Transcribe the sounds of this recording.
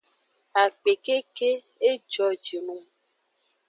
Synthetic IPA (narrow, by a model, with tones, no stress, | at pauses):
a˨k͡pe˨ke˦ke˦ | e˦d͡ʒɔ˦d͡ʒi˨nũ˦